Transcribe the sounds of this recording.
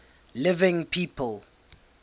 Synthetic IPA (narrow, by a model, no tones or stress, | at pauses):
lɪvɪ̃ŋpʰiːpʰəlˠ